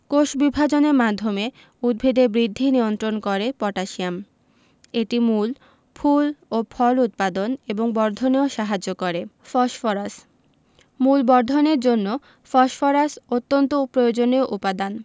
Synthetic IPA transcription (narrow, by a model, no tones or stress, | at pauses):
koʃbibʱad͡ʑoneɾmad̪ʱome | ud̪̚bʱed̪ebɾid̪ʱːiniont̪ɾonkoɾepɔʈaʃiam | eʈimul | pʰulopʰɔlut̪̚pad̪oneboŋbɔɾd̪ʱoneoʃaɦad͡ʑːokoɾe | fɔʃfɔɾas | mulbɔɾd̪ʱoneɾd͡ʑonːo | fɔʃfɔɾasot̪ːont̪opɾojod͡ʑoneoʔupad̪an